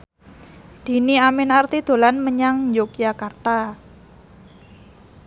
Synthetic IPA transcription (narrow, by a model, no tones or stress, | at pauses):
d̪̥i̤niamɪnart̪id̪̥o̤lanməɲaŋɲd͡ʒokijakart̪a